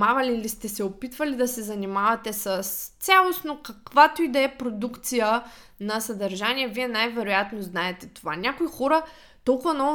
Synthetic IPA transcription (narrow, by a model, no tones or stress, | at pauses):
avɐliːlist̪ɛsɛopit̪vɐlid̪ɐsɛzɐnimavɐt̪ɛsəst̪sʲalˠosnokɐkvat̪oid̪ɐɛpɾod̪ukt̪sijə | nɐsɐd̪ɐɾʒaniɛviɛnajvɛɾojat̪noznaɛt̪ɛt̪ova̰nʲakoixɔɾə | t̪ɔlˠkʊvɐnɔv